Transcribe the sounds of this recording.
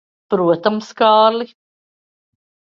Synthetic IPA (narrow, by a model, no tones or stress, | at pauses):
b̥ɾuət̪amskɑːli